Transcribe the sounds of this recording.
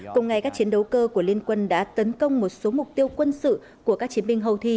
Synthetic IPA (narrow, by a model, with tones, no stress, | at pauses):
kʊ˨˩ŋ͡mŋa˨˩jkaː˦˥k̚t͡ɕi˨˦ənɗə˨˦wkəː˧ku˧˩əli˧ənkwə˧nɗa̰ː˧˥t̪ə˨˦nkə˧wŋ͡mmo˨˩t̚so˨˦mʊ˨˩k͡p̚t̪i˧əwkwə˧nsɨ̰˧˨ | ku˧˩əkaː˦˥k̚t͡ɕi˨˦ənɓï˧ŋɦə˧wt̪ʰi˧